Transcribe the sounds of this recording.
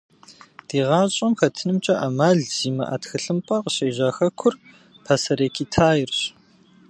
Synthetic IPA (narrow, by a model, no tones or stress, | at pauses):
d̥iːʁɑːɕʼɐmxɐtʰɨnɨmt͡ʃʼɐʔamaːɮz̥iːmɐ̰ʔa̰txɨɬɨmpʼɐqəɕeːʑaːxɐkʷʰʊr | pʰɐsɐɾeːkʰiːtʰaːjɪrɕ